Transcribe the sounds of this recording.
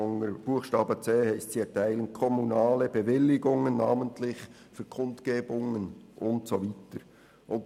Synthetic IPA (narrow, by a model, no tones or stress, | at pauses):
ŋəb̥uəxʃtɑːbət͡seːhæɪstsiɛtʰæɪlənkʰɔmunɑːləbəvɪlːɪɡʊŋənːɑːməntlɪç | fyːkʰʊntkeːbʊŋənʔʊntsoviːtəɾ | ʔʊn